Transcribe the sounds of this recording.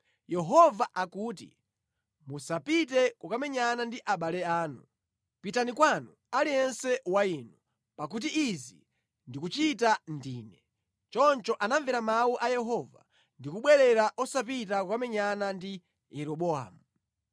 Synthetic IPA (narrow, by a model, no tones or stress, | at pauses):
jɛɦɔvaʔakuːtḭ | musapitɛkukamɛɲanandiʔaɓalɛaːnṵ | pitanikwanu | alijɛnsɛwainu | pak̬ut̬iːzi | ndikut͡ʃitandiːnɛ | t͡ʃɔnt͡ʃɔʔanaɱvɛɾamauʔajɛɦɔva̰ | ndikuɓwɛɾɛɾaʔɔsap̬it̬akukamɛɲanandi | jɛɾɔɓɔa̰ːmu